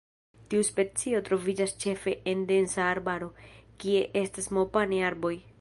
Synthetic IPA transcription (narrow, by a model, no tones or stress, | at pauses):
tiuspe̞t͡sio̞tɾo̞vid͡ʒast͡ʃe̞fe̞ʔende̞nsaːɾbaɾo̞kie̞ʔe̞stasmo̞paneaɾbo̞j